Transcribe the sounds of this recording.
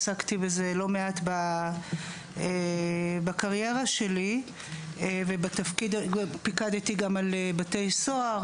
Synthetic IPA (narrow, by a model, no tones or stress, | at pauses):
sakt̪ibezelo̞meat̪ba | ebakaʁje̞ʁaʃe̞li | evebat̪afkid̪pikad̪et̪iɡamalebat̪e̞jsoaʁ